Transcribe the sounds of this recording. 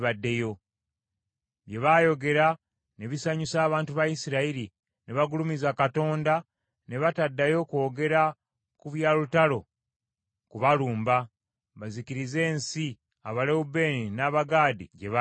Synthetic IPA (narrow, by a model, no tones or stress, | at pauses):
βadːe̞jo̞ | βje̞βaːjo̞ɡe̞ɾa | ne̞βisaɲusaːβaːntuβajisiɾaiɾi | neβaɡulumizakato̞ːnda | ne̞βatadːajo̞ko̞ːɡe̞ɾa | kuβjaːlutalo̞ | kuβaluːmba | βazikiɾize̞ːnsi | aβaleube̞ːninaːβaɡaːdiɟe̞βa